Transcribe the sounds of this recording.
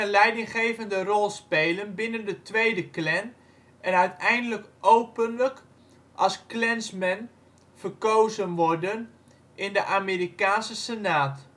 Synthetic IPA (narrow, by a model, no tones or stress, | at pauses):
ənlɛjdɪŋχejvəndərɔlˠspejlənbɪnəndətʋejdəklɛn | ʔɛnœɥtɛjndələkʔowpənlək | ʔɑlˠsklɛnsmɛn | fərkowzənʋɔrdən | ʔɪndəʔameːɾikaːnsəsenaːt